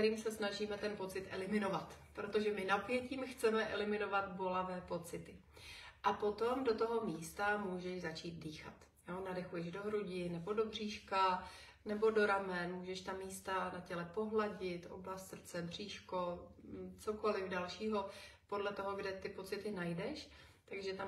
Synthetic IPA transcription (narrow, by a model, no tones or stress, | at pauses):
ɛɾiːmsɛsnaʒiːmɛt̪ɛnpo̞t͡sɪt̪ʔɛlɪmɪno̞vat̪pɾot̪oʒɛmɪnapjɛciːmxt͡sɛmɛʔɛlɪmɪno̞vat̪bo̞lavɛːpo̞t͡sɪt̪ɪ | ʔapo̞t̪o̞mdo̞t̪o̞ɦo̞miːst̪amuːʒɛʒzat͡ʃiːt̪̚diːxa̰t̪ | jonadɛxujɛʒdo̞ɦɾuɟɪnɛbo̞do̞briːʃka | nɛbo̞do̞ɾamɛnmuːʒɛʃt̪amiːst̪anacɛlɛpo̞ɦlaɟɪt̪ʔo̰blast̪sr̩t͡sɛbr̝̥iːʃko | t͡so̞ko̞lɪfdalʃiːɦo̞podlɛt̪o̞ɦoɡdɛt̪ɪpo̞t͡sɪt̪ɪnajdɛʃ | t̪aɡʒɛt̪am